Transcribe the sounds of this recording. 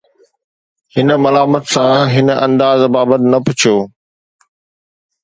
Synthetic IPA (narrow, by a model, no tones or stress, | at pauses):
hɪnə̆mɐlaːmət̪sãɦɪnəʔɐ̰̃nd̪aːzbaːbət̪ɪnɐpʊt͡ɕʰioː